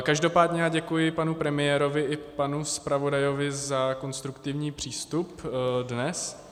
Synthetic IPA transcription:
kaʒdo̞paːdɲɛaɟɛkujɪpanupɾɛmɪjɛːɾo̞vɪʔɪpanuspɾavo̞dajo̞vɪzako̞nst̪ɾukt̪ɪvɲiːpr̝̥iːst̪updnɛs

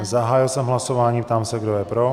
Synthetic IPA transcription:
zaɦaːjɪlsɛmɦlasovaːɲiːp̚t̪aːmsɛɡdojɛpɾo

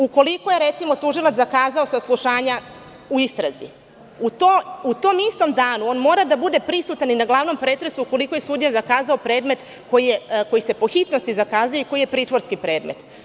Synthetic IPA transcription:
uko̞liko̞je̞ɾet̪simo̞t̪uʒilˠat̪akaːzao̞saslˠuʃaːɲa | uist̪ɾazḭ | ut̪out̪o̞mist̪o̞md̪aːnuo̞ːnmo̞ːɾad̪abud̪e̞pɾisut̪aninaɡlˠaːʋno̞mpɾet̪ɾesuuko̞likoje̞sud̪jazakaːzaopɾeːd̪me̞t̪ | ko̞jijeko̞jise̞po̞xit̪no̞st̪izakaːzujoiko̞jije̞pɾiːt̪ʋo̞ɾskipɾe̞ːd̪me̞t̪

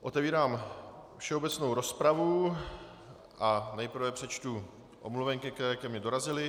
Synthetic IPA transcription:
ʔo̞t̪ɛviːɾaːmfʃɛo̞bɛt͡sno̞wɾo̞spɾavu | ʔanɛjpr̩vɛpr̝̥ɛt͡ʃt̪u | ʔo̰mluvɛŋkɪkɛɛːjakɛmɲɛdo̞ɾazɪlɪ

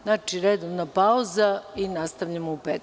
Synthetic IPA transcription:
nat͡ʃiɾed̪oʋnapauzainast̪aʋʎamoupeːt̪

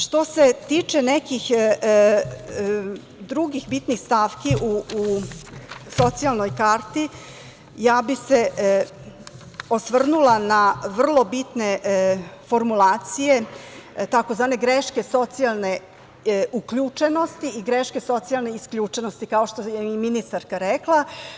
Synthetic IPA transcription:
ʃt̪o̞set̪iːt͡ʃenɛkix | d̪ɾuɡixbit̪nixst̪afkiʔuu | so̞t̪sialˠnojkaːɾt̪i | jaːbise | osʋr̩nulanaʋr̩lˠo̞bit̪ne̞ | fo̞ɾmulaːt̪sije̞t̪akozʋaːne̞ɡɾeʃke̞so̞t̪sijalˠne̞ | ʔukʎut͡ʂe̞no̞st̪iiɡɾeʃke̞so̞t̪sialneiskʎʲut͡ʂenost̪ikao̞ʃt̪ojeiminist̪aɾkaɾɛklˠa

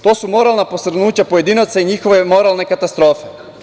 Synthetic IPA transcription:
t̪oasumɔɾalˠnaposɾnucapoɛd̪inat̪saiɲixovɛmɔɾalˠnɛkat̪ast̪ɾɔfɛ

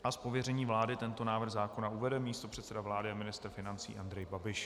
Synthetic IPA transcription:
aspo̞vjɛrɛɲiːvlaːdɪt̪ɛnt̪o̞naːvr̩ɣzaːko̞nauvɛdɛmiːst̪o̞pr̥ɛt̪sɛdavlaːdɪamɪnɪst̪r̩fɪnant͡sḭːʔand̪ɾɛjbabɪʃ

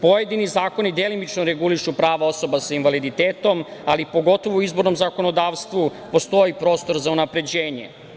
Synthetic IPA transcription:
po̞je̞d̪inizaːko̞nid̪elimit͡ʃnoɾeɡuliʃupɾaːʋao̞so̞basainʋalid̪it̪eːt̪o̞malipo̞ɡo̞t̪o̞ʋouizbo̞ɾno̞mzako̞nod̪aːʋst̪ʋu | po̞st̪o̞jipɾo̞ːst̪o̞ɾzaunapɾe̞d͡ʑe̞ːɲḛ

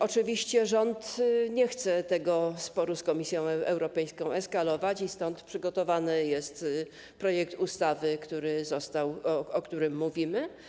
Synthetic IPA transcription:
ɔt͡ʂɘvʲiɕt͡ɕɛʐɔnt̪ɲɛxt̪sɛt̪ɛɡɔspɔɾuskɔmʲisʲjɔ̃w̃ʔɛwɾɔpɛjskɔ̃w̃ɛskalɔvat͡ɕist̪ɔnt̪pʂɘɡɔt̪ɔvanɘjɛst̪ | pɾɔjɛk̚t̪ust̪avɘkt̪uɾɘzɔst̪awɔkt̪uɾɘmːuvʲimɘ

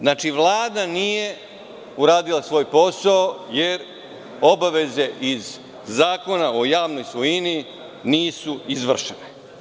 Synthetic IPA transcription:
znaːt͡ʃiʋlˠaːd̪anije̞ | uɾaːd̪ilˠasʋo̞ːjpo̞saojeɾ | o̞baʋe̞ze̞ʔizː | aːko̞nao̞jaːʋno̞jsʋojini | niːsuizʋr̩ʃene

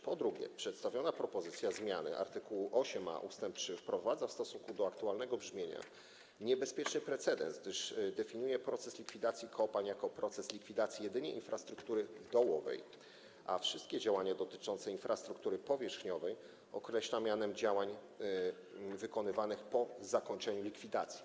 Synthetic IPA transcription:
pɔd̪ɾuɡʲjɛ̰pʂɛt̪st̪avʲjɔnapɾɔpɔzɘt̪sʲjazmʲjanɘ̰ʔa̰ɾt̪ɘkuwuʔɔɕɛma̰ʔṵst̪ɛmpt͡ʂɘfpɾɔvad̪zafst̪ɔsuŋkud̪ɔakt̪ualnɛɡɔbʐmʲjeɲa̰ | ɲɛbɛspʲjɛt͡ʂnɘpɾɛt̪sɛd̪ɛ̰nsɡd̪ɘʂd̪ɛfʲiɲujɛpɾɔt̪sɛslʲikfʲid̪at̪sʲjikʰɔpaɲjakɔpɾɔt̪sɛslʲikfʲid̪at̪sʲjijɛd̪ɘɲɛ̰ʔḭnfɾast̪ɾukt̪uɾɘvd̪ɔwɔvɛ̰j | a̰fʂɘst̪̚kʲɛd͡ʑawaɲad̪ɔt̪ɘt͡ʂɔ̃nt̪sɛinfɾast̪ɾukt̪uɾɘpɔvʲjɛʂxɲɔvɛj | ɔkɾɛɕlamʲjanɛmd͡ʑawaɲ | vɘkɔnɘvanɘxpɔzakɔɲt͡ʂɛɲulʲikfʲid̪at̪sʲji̥

